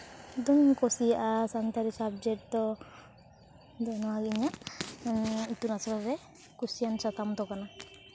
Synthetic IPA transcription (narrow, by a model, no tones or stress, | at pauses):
d̪ɔmŋkɔsiasant̪aɾisab̚d͡ʒɛk̚t̪ɔ | d̪ɔnɔaɡiɲa | t̪unasɔɾaɾɛ | kusijansat̪amt̪ɔkana